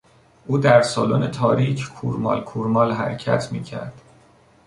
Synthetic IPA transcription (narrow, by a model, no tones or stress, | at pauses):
ʔuːd̪æɾsɒːlonet̪ʰɒːɾicʰkʰuɾmɒ̰ːlkʰuɾmɒːlɦæ̰ɾcʰæ̰t̪ʰmiːcʰæ̰ɾd̪̥